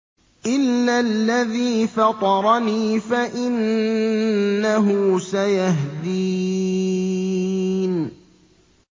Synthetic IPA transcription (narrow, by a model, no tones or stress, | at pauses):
ʔɪlːalːaðiːfɑt̪ˤɑɾˤɑniːfaʔɪn | aɦʊsajaɦd̪iː | n